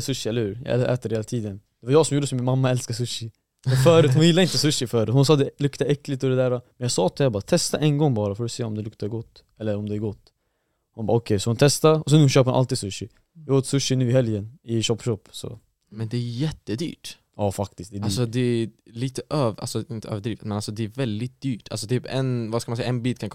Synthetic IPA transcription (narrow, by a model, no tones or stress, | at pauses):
sɵʃːɪɛlːəhʉːɾjɑ̰ʔɛʔɛ̰ːt̪əɾheːlat̪ʰiːd̪ənd̪̥ɛvaɾjɑːɡsɔmjuːɖəsɔmːɪnmamːaɛlskasɵʃːɪ | ɛnfœːɾʉːt̪hʊnjɪlːaɾɪnt̪əsɵʃːɪfœːɾʉːt̪hʊnsɑːd̪ɛlɵkt̪aʔɛkːlɪt̪ɔd̪ɛd̪æːɾamɛnjɑsɑːt̪ʰɪæːɾbɑːat̪ʰɛst̪aʔɛnɡɔŋːbɑːɾafɔɖɔseːɔmd̪ɛlɵkt̪aɡɔt̪ː | ɛlːəɾɔmd̪ɛːɾɡɔt̪ː | hʊnbɑːɔkʰɛjsɔhʊnt̪ʰɛst̪aɔs̬ɛnuːɕøːpəɾʊna̰lt̪iːd̪sɵʃːɪ | vɪhoːt̪ə̥sɵʃːɪnʉ̟ːɪhɛljənɪɕɔpːɕɔpːsɔ̰ | mɛnd̪ɛæjɛt̪ːəd̪y̰ːʈ | jɑːfak̚t̪ɪst̪d̪ɛasɔd̪ɛliːt̪əʔøːva̰lsɔɪnt̪əø̰ːvəɖɾiːvɪt̪mɛnalsɔd̪ɛæɾvɛld̪ɪt̪̚d̪̥yːʈʰːa̰lsɔt̪ʰyːpɛ̰nvaskalmanɛjaɛnbiːt̪kʰankʰ